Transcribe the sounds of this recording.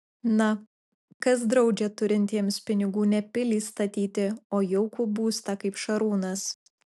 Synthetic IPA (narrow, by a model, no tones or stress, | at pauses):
nɐ | kɐsd̪ɾɒʊd͡ʒʲɛt̪ʊɾʲɪnʲt̪ʲiɛmspʲɪnʲɪɡuːnʲɛpʲɪlʲiːst̪ɐt̪ʲiːt̪ʲɪoːjɛʊkuːbuːst̪ɐkɐɪpʃɐɾuːnɐs